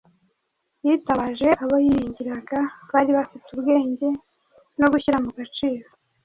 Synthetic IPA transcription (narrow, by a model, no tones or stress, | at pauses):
jitaβaʒe̞ʔaβojijiɲɟiɾaɡaβaːɾiβafituβɡe̞ːɲɟe̞ | no̞ɡuçiɾamuɡat͡ʃiːɾo